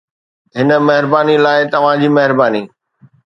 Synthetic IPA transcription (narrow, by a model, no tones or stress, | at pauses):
ɦɪnə̆mɐɦɪɾbaːnilaːɪt̪ɐʋ̤ãd͡ʑiːmɐɦɪɾbaːniː